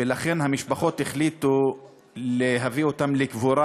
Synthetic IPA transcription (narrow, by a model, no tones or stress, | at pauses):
elaχe̞nhamiʃbaχo̞t̪heχlit̪u | leɦavio̞t̪amlekvuɾa